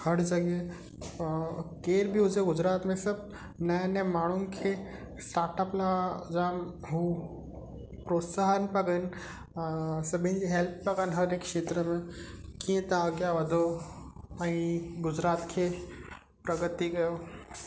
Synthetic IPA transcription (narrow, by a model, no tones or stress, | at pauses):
hʰəɽd͡zəɡe | keɾbʱiud͡zeɡud͡zɾat̪mẽsəb̚ | najnɛmaɽ̃uːnkʰe | sʈaɾʈəplad͡zam | ɦu | pɾot̪saɦənpəɡən | səbĩnd͡ʑiɦelpːəɡanɦəɾekːʂet̪ɾəmekĩt̪ãəɡjaʋəd̪ʱo | aɽ̃iɡud͡ʑɾat̪kʰe | pɾəɡət̪iɡəjo